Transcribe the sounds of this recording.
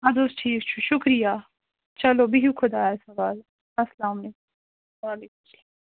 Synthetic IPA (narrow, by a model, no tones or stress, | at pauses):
ɐd̪osʈʰiːkt͡ʃʰuʃukɾija | t͡ɕɐlobiɦikʰod̪aːesɐʋaːl | ɐslaːmɐleːku | waːleːkumsɐ̥laːm